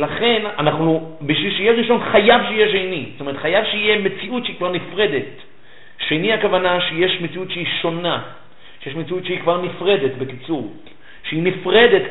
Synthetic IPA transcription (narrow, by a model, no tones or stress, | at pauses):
laχe̞nanaχnubiʃvilʃeijeʁiʃo̞nχajavʃeijeʃ̬ejnisotome̞ʁet̪χajavʃeijeme̞t͡siutʃeikvaʁnifʁe̞d̪e̞t | ʃejniakavanaʃeje̞ʃmet͡siutʃeiʃo̞na | ʃejeʃmet͡siutʃeikvaʁnifʁe̞d̪e̞t̪bekit͡suʁ | ʃeinifʁe̞d̪et